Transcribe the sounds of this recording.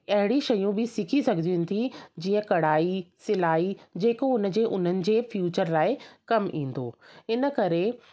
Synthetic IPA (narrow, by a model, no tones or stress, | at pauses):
ɐɦɪɽiʃɐjũbɪsɪkʰisɐɡʱəniũnɪ̆t̪ʰid͡ʑiːə̃kɐɽ̤aːisɪlaːid͡ʑeːkoʊnə̆d͡ʑeːʔʊn̤ənɪ̆d͡ʑeːfjuːt͡ɕəɾlaːɪkɐmʔḭ̃ːn̆d̪o̰ːɪnə̆kɐɾe